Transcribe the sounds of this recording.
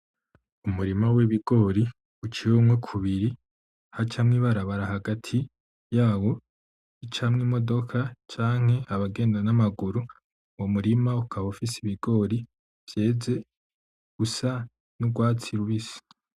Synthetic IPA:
umuɾimaweβiɡo̞ɾi | ut͡ʃiwomŋekʰuβiɾi | hat͡ʃamŋiβaɾaβaɾahaɡatʰi | jaːwo̞ | it͡ʃamŋimo̞do̞kʰat͡ʃaːŋ̥he̞aβaɡe̞ːndanamaɡuɾu | womuɾimaukʰaβaufisiβiɡ̥o̞ːɾi | v̥je̞ːze̞ | ɡ̥usa | nuɡwaːt͡siɾuβisi̥

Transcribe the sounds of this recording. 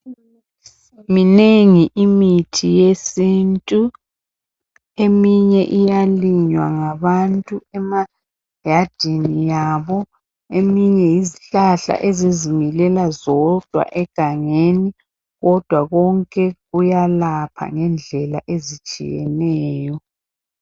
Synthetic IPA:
mineŋiʔimitʰijesintʼu | emiɲɛʔijaliɲwa̰ŋaβantʼuɛma | jad̥ʱinijaβɔ | emiɲɛjiziɬaɬa̰ʔezizimilɛlazɔd̥ʱwa̰ʔɛɡ̥ʱaŋeni | ɣɔd̥ʱwaɣɔŋkʼɛɣujalapʰa̰ŋɛnd͡ɮʱɛla̰ʔezit͡ʃʼḭjɛ̰nɛːjɔ

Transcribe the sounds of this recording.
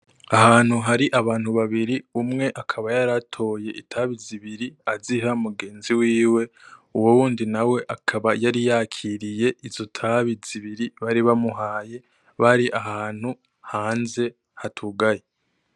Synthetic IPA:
aɦaːn̥huɦaɾiʔaβaːn̥huβaβiɾiumŋe̞ʔakʰaβajaɾatʰo̞je̞ʔitʰaβiziβiɾiaziɦamuɡe̞ːnziwiːwe̞uwowuːndinawe̞ʔakʰaβajaɾijakʰiɾije̞ʔiz̥o̞tʰaβiz̥iβiɾiβaɾiβamuɦaːje̞ | βaɾiʔaɦaːn̥hu | haːnze̞ | hatʰuɡaje

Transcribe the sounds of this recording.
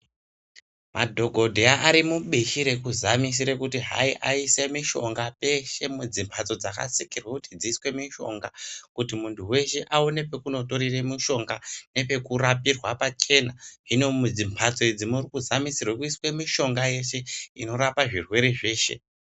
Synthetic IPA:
mʔadʱo̞ɡʱo̞dʱeaʔːɾimuɓiʃiɾe̞kuzamis̬iɾekutiɦa̰iʔaisemiʃo̞ŋɡape̞ʃe̞mud͡zimpʰat͡so̞d͡zaka̰sikirwakutid͡ziːswe̞miʃo̞̰ŋɡakutimuntʰuwe̞ʃe̞ʔaone̞pe̞kuno̞to̞ɾiremiʃo̞ŋɡane̞pe̞kurapirwapat͡ʃe̞naino̞mud͡zimpʰat͡so̞id͡zimurikuzamisirwekuiswe̞miʃo̞ŋɡaje̞ʃe̞ino̞ɾapaʐirwe̞ɾe̞ʐe̞ːʃe̞̰

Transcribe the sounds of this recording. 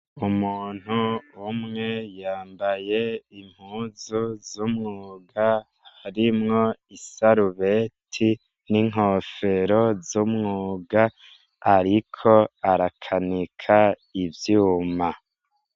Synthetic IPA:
umuːn̥huumŋe̞jaːmbaje̞im̥huːzuzumŋuːɡa | haɾimŋo̞isaɾuβetʰi | niŋ̥ɦofe̞ɾo̞zumŋuːɡaː | ɾikʰo̞aɾakʰanikʰa | ivjuːma

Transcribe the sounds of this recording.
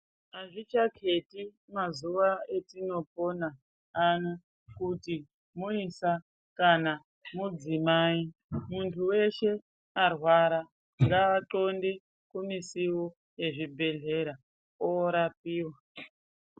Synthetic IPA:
aʐit͡ʃakʰe̞ti | mazuʋae̞tino̞po̞na | ano | kuti | muisa | kana | mud͡zimaːimuntʰuwe̞ʃe̞ | arwaɾa | ŋɡaːǃo̞nde | kumisiwo | je̞ʐibʱe̞ɮe̞ɾa | oɾap̚iːwa

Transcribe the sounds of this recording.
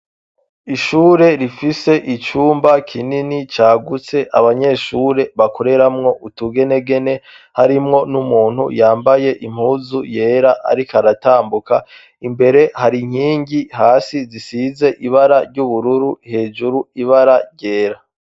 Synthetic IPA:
iʃuːɾe̞ɾifise̞ʔit͡ʃuːmbakʰininit͡ʃaːɡut͡se̞ʔaβaɲe̞ːʃuːɾe̞βakʰoɾe̞ɾamŋo̞ʔutuɡe̞ne̞ɡe̞ne̞ | haɾimŋo̞numuːn̥hṵjaːmbaje̞ʔim̥huːzuje̞ɾaʔa̰ɾikaɾataːmbuka | imbe̞ɾe̞haɾiŋ̥iːɲɟiɦaːsizisize̞ʔiβaɾaɾɟuβuɾuɾuhe̞ːd͡ʒuɾuiβaɾaɾɟe̞ːɾa

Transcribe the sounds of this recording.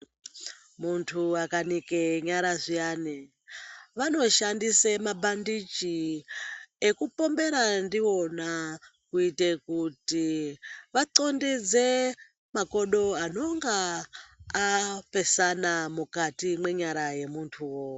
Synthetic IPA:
muntʰuakanikeɲaɾaʐiaːni | ʋano̞ʃandisemabʱandit͡ʃi | ekupo̞mbe̞ɾandio̞nakuitekutiʋaǀo̞ndid͡ze | mako̞ɗo̞ano̞ŋɡaː | pe̞sanamukatimwe̞ɲaɾaje̞muntʰuwo

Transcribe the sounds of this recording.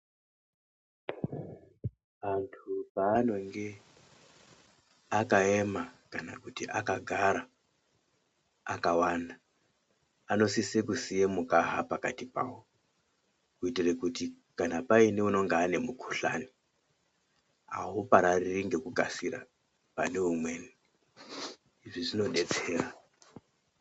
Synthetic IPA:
antʰupaːno̞ŋɡe̞ | akaemakana̰kutiʔakaɡʱaɾa | akawandaː | no̞sisekusijemukaɦa̰pakatipa̰wo | kuitirekuti | kanapaineuno̞ŋɡaːne̞mukʰu̥ɬa̰ni | a̰ɦupaɾaririŋɡe̞kukasira̰ | pane̞umwe̞ni | ʐiʐino̞ɗe̞d͡ze̞ːra

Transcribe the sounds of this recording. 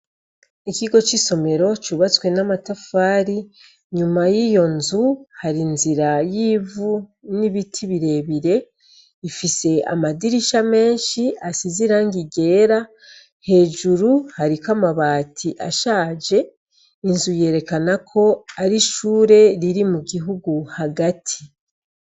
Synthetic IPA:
ikiɡo̞t͡ʃiso̞me̞ɾo̞t͡ʃuβat͡swe̞namatafaːɾi | ɲumajijo̞nzuhaɾinziɾajiːvuniβitʰiβiɾe̞βiɾe̞ | ifise̞a̰madiɾiʃame̞ːnʃiasiziɾaŋɡiɡe̞ːɾa | he̞ːʒuɾuhaɾikamaβaːtʰiʔa̰ʃaːd͡ʒe̞ | inzuje̞ːɾe̞kanakʰo̞aɾiʃuːɾe̞ɾiɾimuɡiɦuɡuhaɡatʰi̥

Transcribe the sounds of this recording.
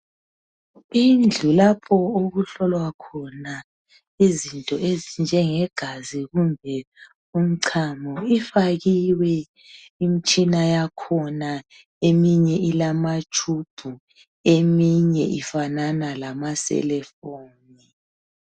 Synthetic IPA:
ind͡ɮʱulapʰɔoɣuɬɔlwakʰɔna | izintʼɔezind͡ʒʱɛŋɛɡ̥ʱaziɣumbʱɛ | um̩ǀʰamɔifaɣiwɛ | imit͡ʃʼinajakʰɔna | emiɲɛʔilamat͡ʃʼʰub̥ʱu | emiɲɛʔifananalamasɛ̰lɛfoːni

